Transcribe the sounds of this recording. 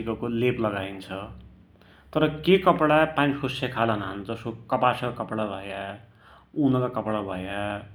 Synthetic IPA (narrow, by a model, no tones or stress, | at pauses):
ikʌkoleplʌɡajnt͡sʰʌ | t̪ʌɾʌkekʌpɽapanikʰusakʰalanaɦand͡zʌsokʌpasʌkakʌpɽabʱʌja | unʌkakʌpɽabʱʌja